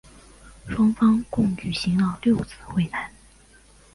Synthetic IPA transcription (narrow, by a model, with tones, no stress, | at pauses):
ʂwɑ˥ŋfɑ˥ŋkʊ˥˧ŋt͡ɕy˨˩ɕi˧˥ŋlə˥˧ljo˥˧ʊt͡sʰɹ̩˥˧xwe˥˩ɪna˧˥n